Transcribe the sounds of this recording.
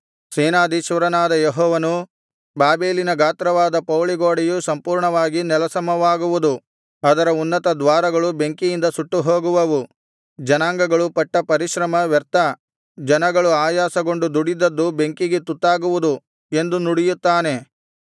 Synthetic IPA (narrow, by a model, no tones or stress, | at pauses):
seːnaːd̪iʃʋɐɾɐnaːd̪ɐjeɦɔːʋɐnu | baːbeːlinɐɡaːt̪ɾɐʋaːd̪ɐpɐwɭiɡoːɽɛjusɐmpuːɾɳɐʋaːɡinɛlɐsɐmɐʋaːɡuʋud̪u | ɐd̪ɐɾɐunːɐt̪ɐd̪ʋaːɾɐɡɐɭube̞ŋkijind̪ɐsuʈːuɦoːɡuʋɐʋu | d͡ʒɐnaːŋɡɐɡɐɭupɐʈːɐpɐɾiʃɾɐmɐʋɛɾt̪ɐ | d͡ʒɐnɐɡɐɭuaːjaːsɐɡo̞ɳɖud̪uɽid̪ɐd̪ːube̞ŋkiɡet̪ut̪ːaːɡuʋud̪u | e̞nd̪unuɽijut̪ːaːne̞